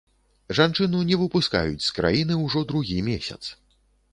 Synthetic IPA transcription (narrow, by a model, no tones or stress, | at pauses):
ʐant͡ʂɨnunʲɛvɨpuska̰jut͡sʲskɾa̰jinɨwʐɔd̪ɾuɣʲimʲesʲɐ̰t̪s